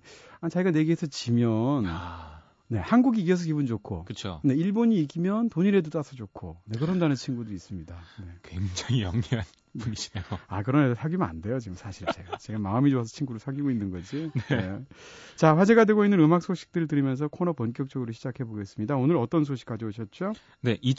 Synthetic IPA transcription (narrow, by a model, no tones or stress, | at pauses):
at͡ɕaiɡane̞ɡeesʰʌt͡ɕimjʌn | ne̞hanɡuɡiɡes̬ʰʌk̬ibund͡ʑokʰo̰kɯt͡ɕʰone̞iɭboɲiːɡimjʌntoɲiɾe̞dot͈asʰʌd͡ʑokʰone̞kɯɾʌndanɯnt͡ɕʰinɡudois͈ɯmɲidane̞kweŋd͡ʑaŋijʌŋɦian | uiejoakɯɾʌnesʰaɡimɯna̰nde̞jot͡ɕiɡɯmsʰaɕʰiɭt͡ɕe̞ɡat͡ɕe̞ɡamaɯmid͡ʑoasʰʌ̥t͡ɕʰinɡuɾɯɭsʰaɡiɡoinːɯnɡʌd͡ʑinene̞t͡ɕaɸwad͡ʑeɡadwe̞ɡoinːɯnɯmak̚s͈ʰoɕʰi̥k̚t͈ɯɾɯɭtɯɾimjʌns̬ʰʌkʰonʌpʌnk̬͈jʌk̚t͡ɕ͈ʌɡɯɾoɕʰid͡ʑakʰe̞boɡe̞s͈ɯmɲidaonɯɾʌt͈ʌns̬ʰoɕʰi̥k͈ad͡ʑʌoɕʰʌt̚t͡ɕ͈o | ne̞ʔi